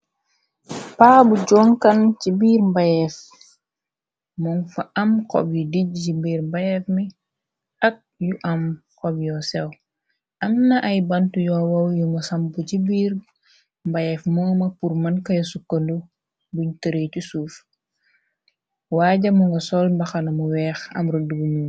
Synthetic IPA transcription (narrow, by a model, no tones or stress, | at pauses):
paːbuɟɔŋkant͡ʃibiːɾmbajɛf | mɔnfaʔɐmkɔ̰bjudiɟcibiːɾmbajɛfmi | ɐk̚juʔamkɔbjɔsɛw | ʔɐmnɐʔɐjbɐntujɔːwɐwjuŋɡɐsɐmbucibiːɾ | mbajɛfmɔŋmɐpurmɐnkɐjosukːɐndu | buɲtəɾecusuːf | waːɟɐmuŋɡɐsɔlmbɐxɐnɐmuwɛːxɐ̰mɾəduɡumu